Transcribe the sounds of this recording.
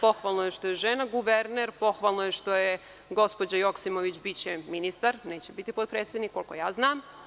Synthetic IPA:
po̞xʋalˠnojeʃt̪o̞jeʒeːnaɡuʋeɾneɾpo̞xʋalˠnojeʃt̪o̞je | ɡo̞spod͡ʑajo̞ksimoʋit͡ɕbit͡ɕeminist̪aɾneːt͡ɕebit̪ipot̪̚pɾeːt̪sjed̪nikːo̞lko̞̰jaːznaːm

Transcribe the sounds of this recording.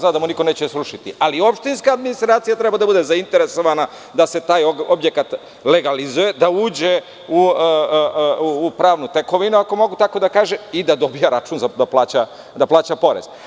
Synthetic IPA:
znad̪amuniko̞ne̞ːt͡ɕesɾuʃit̪iʔalio̞pʃt̪inskaːd̪minist̪ɾaːt̪sijat̪ɾebad̪abud̪e̞zaint̪e̞ɾe̞so̞ʋana | d̪ase̞t̪aːjobje̞kat̪ | le̞ɡalizuje̞d̪auːd͡ʑe | u | uːpɾaːʋnut̪eko̞ʋinuako̞mo̞ɡut̪ako̞d̪akaːʒeid̪ad̪o̞bijaɾat͡ʃuːnzad̪aplˠaːt͡ɕa | d̪aplˠaːt͡ɕapo̞ɾḛz̥

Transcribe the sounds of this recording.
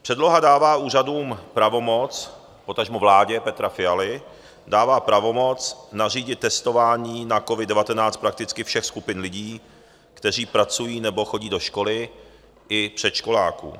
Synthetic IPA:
pr̥ɛdlo̞ɦadaːvaːuːr̝aduːmpɾavo̞mo̞t͡s | po̞t̪aʒmuvlaːɟɛpɛt̪ɾafɪalɪ | daːvaːpɾavo̞mo̞t͡snar̝iːɟɪt̪t̪ːɛst̪o̞vaːɲiːnako̞vɪdɛvat̪ɛnaːt͡st̪̚pɾak̚t̪ɪt͡skɪfʃɛxskupɪnlɪɟiː | kt̪ɛr̝iːpɾat͡sujiːnɛbo̞xo̞ɟiːdo̞ʃko̞lɪ | ʔɪpr̝̥ɛt̪ʃko̞laːkṵː

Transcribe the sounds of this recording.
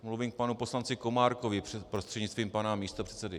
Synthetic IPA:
mluviːmk̚panupo̞slant͡sɪko̞maːɾko̞vɪpɾost̪r̥ɛdɲɪt͡st̪viːmpanamiːst̪o̞pr̝̥ɛ̥tt͡sɛdɪ

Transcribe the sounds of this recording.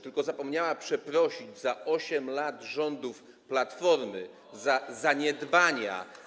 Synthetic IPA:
t̪ɘlkɔzapɔmɲawapʂɛpɾɔɕid͡ʑzaʔɔɕɛmlad̪ʐɔnd̪uf | plat̪fɔɾmɘ | zazaɲɛd̪baɲa̰

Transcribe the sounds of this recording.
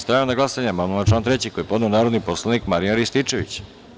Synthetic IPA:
st̪ɾajaonaɡlˠasaɲaamannat͡ʃlaːnt̪ɾet͡ɕikojepo̞d̪neonaːɾod̪nipo̞slˠanikmaɾiaɾist̪it͡ʃeʋḭt͡ɕ

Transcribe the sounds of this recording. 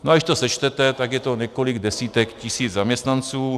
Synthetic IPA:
noʔadɪʃt̪osɛt͡ʃt̪ɛt̪ɛt̪aɡjɛt̪o̞ɲɛkolɪɡdɛsiːt̪ɛkcɪsiːd͡zzamɲɛst̪nant͡suː

